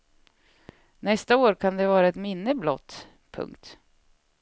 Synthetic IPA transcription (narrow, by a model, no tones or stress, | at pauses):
nɛst̪aoːɾkʰand̪ɛvɑːɾaɛt̪mɪnːəblɔ̰t̪ː | pʰɵ̰ŋkt̪